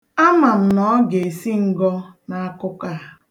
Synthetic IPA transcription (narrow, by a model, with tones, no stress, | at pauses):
a˦ma˨m̩˨nɔ˦ɡe˨e˨si˦ŋ̩˦˨ɡɔ˦na˦a˦kʊ˦ka˦˨